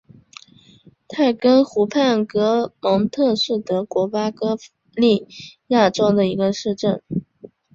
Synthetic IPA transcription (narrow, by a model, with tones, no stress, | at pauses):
t̪ʰa˥˩ɪkə˥nxu˧˥pʰa˥˩nkɤ˥mɤ˧˥ŋt̪ʰɤ˥˧ʂɻ̩˥˩t̪ə˥kwɔ˧˥pa˥kɤ˥f | li˥˧ja˥˩ʈ͡ʂo˥ʊd̪ə˨i˧˥ɡə˧ʂɻ̩˥˧ʈ͡ʂə˥˩n